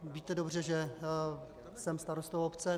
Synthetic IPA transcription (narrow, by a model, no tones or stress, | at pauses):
viːt̪ɛdobr̝ɛʒɛ | sɛmst̪aɾost̪ovopt͡sɛ